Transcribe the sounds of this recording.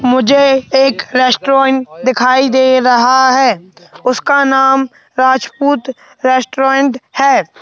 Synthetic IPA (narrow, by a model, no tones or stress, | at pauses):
mʊd͡ʒʱeeːkɾɛːsʈɾoːɪɳʈd̪ɪkʰaːid̪eːɾɐɦaɦɛːʊskanaːm | ɾaːd͡ʒpuːt̪ | ɾɛːsʈɾoeɳʈhɛː